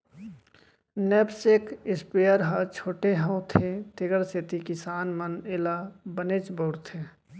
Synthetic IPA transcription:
neːbsekɪspejəɾɦat͡ʃʰoːʈeɦə̃ʊ̃t̪ʰet̪ɪɡəɾset̪ikɪsaːnmənelabəneːt͡ʃbəʊɾt̪ʰe

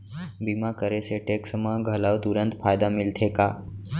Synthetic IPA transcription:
bimakəɾeseʈeksəmaɡʱəlaʋt̪uɾənt̪fajd̪amilt̪ʰeka

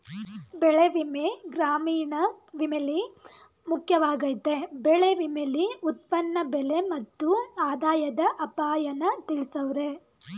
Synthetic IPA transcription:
bɛɭeʋimeɡɾaːmiːɳɐʋimeli | mukʰjɐʋaːɡɐjt̪ebɛɭe̞ʋimeliut̪̚pɐnːɐbɛle̞mɐt̪ːuaːd̪aːjɐd̪ɐʔɐpaːjɐnːɐt̪iɭisɐʋɾe̞

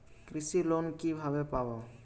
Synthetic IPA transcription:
kɾisilɔnkibʱabɛpabɔ

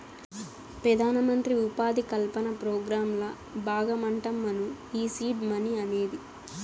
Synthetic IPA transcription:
pɾɐd̪ʱaːnɐmɐnt̪ɾiupaːd̪ikɐlpɐnɐpɾoːɡɾaːmlɐ | baːɡɐmɐɳʈɐmːɐnu | iːsiːʈmɐniɐne̞ːd̪i

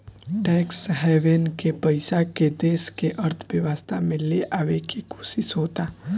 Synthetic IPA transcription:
ʈɛːksɦɛːʋenkepɐɪsaked̪eːskeʔɐɾt̪ʰʋjɐʋəst̪ʰamẽleʔaːʋekiko̥ːʃɪʃɦoːt̪aː

